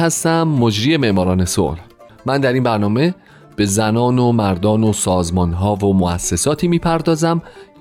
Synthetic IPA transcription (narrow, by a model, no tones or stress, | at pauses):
hæst̪æmːod͡ʒɾiːe̞me̞ʔmɒːɾɒːne̞so̰ʔl | mænd̪æɾinbæɾnɒːme̞ | b̥e̞zænɒːnomæɾd̪ɒːnosɒːzmɒːnɦɒːvomoʔæ̰sːe̞sɒːt̪ʰiːmiːpʰæɾd̪ɒːzæm